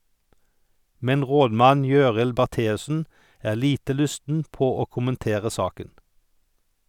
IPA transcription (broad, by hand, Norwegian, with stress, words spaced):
ˈmɛn ˈʁoːdˌmɑn ˈjøːʁɪl bæʁˈteːʉsn̩ ˈæːʁ ˈliːtə ˈlʉstn̩ ˈpoː ˈoː ˌkʊmənˈteːʁə ˈsɑːkən